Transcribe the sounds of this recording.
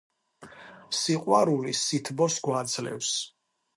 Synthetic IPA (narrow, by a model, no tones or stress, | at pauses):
siqʼwaɾulisit̪ʰbɔsɡwad̪zlɛ̰fs